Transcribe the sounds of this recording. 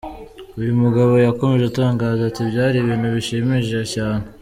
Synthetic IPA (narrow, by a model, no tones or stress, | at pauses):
ujumuɡaβo̞jako̞me̞ʒeutaːŋɡaːzatibjaːɾiβiːnhuβiʃimiʒecaːn̥he